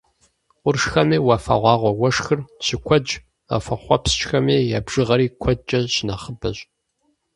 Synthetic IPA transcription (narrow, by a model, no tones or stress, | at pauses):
ʊrʂxɐniːwafɐ̰ʁʷɑːʁʷɔwɐʂxɨrɕʰɪkʷʰɔd͡ʒʼ | ɐ̰fɐχʷɔpst͡ʃʼxɐmeːjaːbʒ̥ɨʁɐɾiːkʷʰɔt͡ʃʼɐɕnɐχəbɐɕʼ